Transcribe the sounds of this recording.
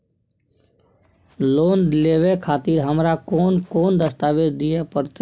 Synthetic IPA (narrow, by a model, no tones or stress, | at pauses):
loːnleːʋekʰaːt̪iɾɦəmɾakoːnkoːnd̪əst̪aːʋed̪d̪ɪjepəɾt̪e